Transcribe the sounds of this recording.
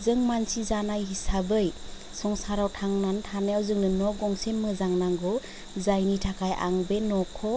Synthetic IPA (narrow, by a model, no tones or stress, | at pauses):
zɯŋmansizanajɦisabɯj | sɔŋsaɾawtʰaŋnantʰanajawzɯŋnɯnɔɡɔŋsenmɯzaŋnaŋɡɔ | zajnitʰakʰajʔa̰ŋbenɔkʰɔ